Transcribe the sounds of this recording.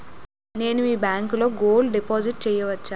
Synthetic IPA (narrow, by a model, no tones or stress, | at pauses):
ne̞ːnuiːbaːŋklo̞ːɡoːlɖipoːd͡ʒiʈ̚t͡ʃɛːjɐʋɐt͡ʃːaː